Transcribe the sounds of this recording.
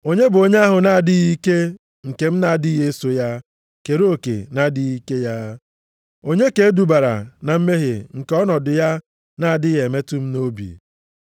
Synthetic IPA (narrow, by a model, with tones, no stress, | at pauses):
o˦ɲe˦bʊ˨o˨ɲe˦a˦ɦʊ˨na˨a˨dɪ˦ɣi˦ke˦ | ŋ̩˨ke˨m̩˦na˦˨dɪ˦ɦe˦so˨ja˦ | ke˨ɾo˨kḛ˨na˦dɪ˦ɣi˦ke˦ja˦ | o˦ɲe˦ke˨˦du˨ba˨ɾa̰˨na˨m̩˦me˦ɦḛ˨ŋ̩˨kɔ˦nɔ˨dʊ˨ja˦ | na˦a˨dɪ˦je˨me˦tʊ˦m̩˦no˦bḭ˨